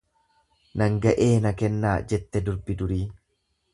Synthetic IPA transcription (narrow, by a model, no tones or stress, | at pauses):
nɐŋɡɐʔe̞ːnɐkɛnːaːd͡ʒɛt̪ːɛd̪ʊɾbɪd̪ʊɾiː